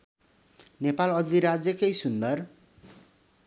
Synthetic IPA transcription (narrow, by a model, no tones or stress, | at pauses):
nepalʌd̪iɾad͡zjʌkʌjsund̪ʌr